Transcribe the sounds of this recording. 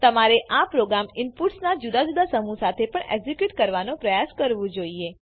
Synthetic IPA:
t̪əmaɾeʔapɾoɡɾamɪnpuʈsnad͡ʒud̪ad͡ʒud̪asəmũsat̪ʰepəɳḛɡzikjuʈkəɾʋanõpɾəjaskəɾʋũd͡ʒoie

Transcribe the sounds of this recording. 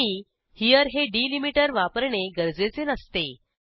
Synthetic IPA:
i | hijəɾɦeɖilimiʈəɾʋapəɾɳeɡəɾd͡zet͡senəst̪e

